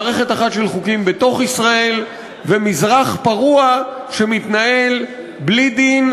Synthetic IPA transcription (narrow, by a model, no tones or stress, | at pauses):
ʁe̞χetaχatʃelχukimbeto̞χisʁae̞l | vemizʁaχpaʁua | ʃe̞mitnae̞l | blid̪in